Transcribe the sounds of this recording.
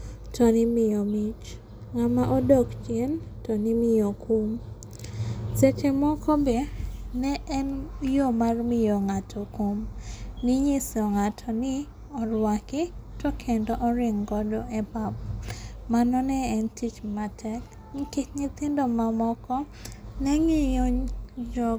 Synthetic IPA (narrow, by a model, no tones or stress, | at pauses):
tɔnɪmɪjɔmit͡ʃ | ŋamaʔɔdɔkt͡ʃjɛntɔnɪmɪjɔkʰom | sɛt͡ʃɛmɔkɔbɛnɛʔɛnjomarmɪjɔŋatʰokomnɪɲesɔŋatʰɔnɪ | ɔrwakɪtɔkʰendɔʔɔɾɪŋɡɔdɔʔɛpap̚manɔnɛːntit͡ʃmatʰɛk | kit͡ʃɲit̪ɪndomamɔkɔ | nɛŋɪjoɲd͡ʒɔ